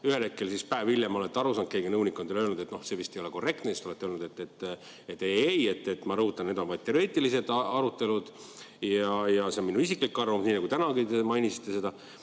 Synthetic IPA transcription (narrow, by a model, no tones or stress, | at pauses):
yhe̞le̞t̪̚kːe̞lsispæeviljemo̞let̪ːeɑɾusɑːnd̪̚ke̞ːɡinɤwnikːˑo̞nd̪elølnud̪̥et̪no̞hse̞vist̪e̞joeko̞re̞k̚t̪nesist̪oet̪ːeølnud̪e̞t̪ːet̪ː | et̪ːˑeejet̪ːe̞t̪ːmɑɾɤhut̪ːˑɑnned̪o̞nvɑjd̪̚t̪ːe̞oeːt̪ːˑilis̬e̞d̪̥ɑɾut̪ːˑe̞lud̪̥ | jɑjɑseminuisikːˑlikːɑrvɑmsniːnɑɡut̪ænɑɡit̪emɑjnʲisi̥t̪ːe̞se̞d̪ɑ